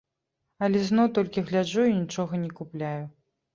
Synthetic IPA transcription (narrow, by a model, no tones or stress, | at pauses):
ɐlʲɛznɔwt̪ɔlʲkʲiɣlʲad͡ʐuinʲit͡ʂɔɣɐnʲikuplʲaju